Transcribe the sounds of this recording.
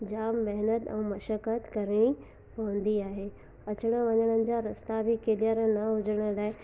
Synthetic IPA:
d͡ʑaːmːɛɦnət̪ɛ̰̃ːmɐʃəkət̪kɐɾɪɽ̃i | pɐʋə̃nd̪iaːɦeː | ɐt͡ɕəɽ̃ə̆ʋɐɲəɽ̃ənɪ̆d͡ʑaɾɐst̪abʱɪkeːlijəɾnɐɦʊd͡ʑəɽ̃əlaːɪ

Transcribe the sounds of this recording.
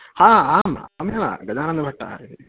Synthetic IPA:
haːaːma̰ːmjɐla̰ɡɐd͡ʒaːɾɐnd̪ɐbʱɐʈːɐ̰id̪i

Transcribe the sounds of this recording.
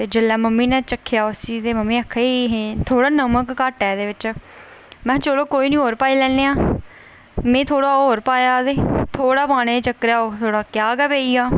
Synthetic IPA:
t̪eːd͡ʒɪlɛːməmːiːnɛ̃ːt͡ʃəkʰːjaːʊsiːt̪eːməmːiːəkʰːeɦẽːt̪ʰoːɽaːnəməkːaːʈɛːd̪eːʋɪt͡ʃ | mɛ̃ːt͡ʃoːɽoːkoːiːnĩːɦoːɾpaːiːlɛ̃ːeːaː | mẽːt̪ʰoːɽaːoːɾpaːjaːd̪eːt̪ʰoːɽaːbaːɽ̃eːt͡ʃəkɾjaːoːt̪ʰoːɽaːkjaːɡəbeːiːaː

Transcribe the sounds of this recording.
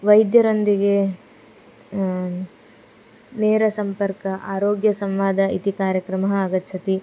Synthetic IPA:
ʋɐjd̪jɐɾond̪iɡe | nɛːɾɐsɐmpɐɾkɐʔaːɾoːɡjɐsɐmʋaːd̪ʱɐit̪ikaːɾjɐkɾɐmɐɦɐːɡɐt̪ːt͡ʃʰɐt̪i

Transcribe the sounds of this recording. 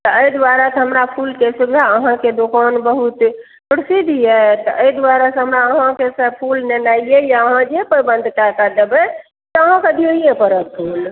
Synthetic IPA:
t̪ɔəjd̪waɾasəɦəmɾapʰulkesuɡaəɦãked̪okanbəɦut̪ | pɾisid̪ʱijɛt̪ɔʔəjd̪waɾasə̃ɦəmɾaəɦãkesəb̚pʰulnenaiejaəɦãd͡ʒepəɾibə̃nd̪ʱkakəd̪ebɛ | t̪ɔəɦãkəd̪ʱioiepəɾək̚pʰul

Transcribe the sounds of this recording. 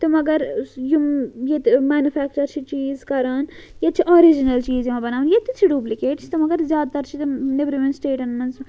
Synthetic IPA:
t̪ɨmɐɡɐɾjujet̪maːnjufʰæːk̚t͡ʃɐɾt͡ʃʰit͡ʃiːzkɐɾaːnjɐt͡ʃʰiʔoːɾid͡ʒinɐlt͡ʃiːzjimãbɐnaːʋnjet̪it͡ʃʰiɖuːplikeːʈt͡ʃʰt̪ɐmɐɡɐɾzjaːd̪̚t̪ɐɾt͡ʃʰit̪nebɾimẽnsʈeːʈɐnmɐnz

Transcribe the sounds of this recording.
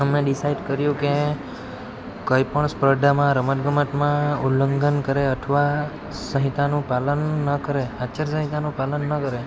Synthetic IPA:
əmẽɖɪsaiɖkəɾjũke | kəipəɳspɾəd̪ʱamãɾəmət̪ɡəməʈmãulːəŋɡənkəɾeəʈʰʋa | sə̃ɦit̪anũpalənːəkəɾeat͡ʃəɾsə̃ɦit̪anũpalənːəkəɾe

